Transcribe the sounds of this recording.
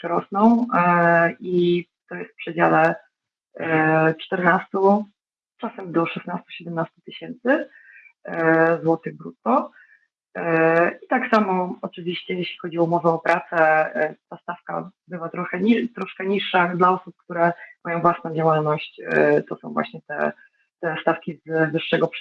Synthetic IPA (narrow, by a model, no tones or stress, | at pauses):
ɾɔsnɔ̃w̃ | it̪ɔjɛst̪pʂɛd͡ʑalɛ | t͡ʂt̪ɛɾnast̪u | t͡ʂasɛmd̪ɔʂɛsnast̪u̥ɕɛd̪ɛmnast̪ut̪ɘɕɛnt̪sɘ | zwɔt̪ɘɣbɾṵt̪ːɔ | it̪aksamɔɔt͡ʂɘvʲiɕt͡ɕɛjɛɕlʲi̥xɔd͡ʑiɔumɔvɛɔpɾʔat̪sɛt̪ast̪afka̰bɘvat̪ɾɔxɛit̪ɾɔʂkɛɲiʂːad̪laɔsup̚kt̪uɾɛmʔajɔ̃w̃vwasnɔ̃w̃d͡ʑawalnɔɕt͡ɕt̪ɔsɔ̰̃w̃vwa̰ɕɲɛt̪ɛ̰ | t̪ɛst̪afkʲizvɘʂːɛɡɔp